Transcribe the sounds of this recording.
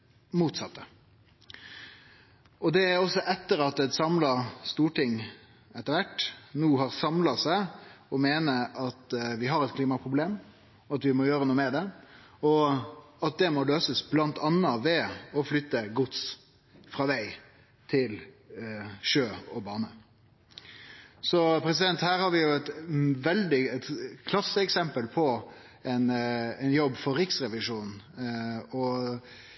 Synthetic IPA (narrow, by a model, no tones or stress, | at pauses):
muːt̪sɑt̪ːə | ɔd̪ɛæɔsːɔʔɛt̪ːəɾɑt̪ɛt̪sɑmlɑst̪uːʈɪŋː | ɛt̪ːəɾʋæʈːnuːɦɑʁsɑmlɑsæɪɔmeːnəɑt̪ʋɪɦɑɾɛt̪̚kʰliːmɑpʰʁʊbleːm | ɔɑt̪ʋɪmɔjøːɾənuːəmɛd̪ɛ | ɔ | ɑt̪̚d̪ɛmɔløːsəsblɑnt̪ʰɑnːɑʋɛɔflʏt̪ːəɡʊt̪s | fɾɑːʋæɪ | t̪ʰɪl | ʃøːɔbɑːnə | sɔpʰɾɛs̬ɪd̪ɛnt̪hæːɾhɑɾʋɪjʊɛt̪ʋɛld̪ɪɛt̪kʰlɑsːəɛksɛmpəlpʰɔ | ɛɪnɛɪnjɔbːfɔɾːɪksɾɛʋɪʂuːnn | ɔ